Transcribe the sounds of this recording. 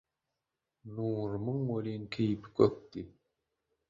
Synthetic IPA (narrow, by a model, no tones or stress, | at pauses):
nuːɾmɨŋwolʲiŋkʰejpkʰøk̚t̪i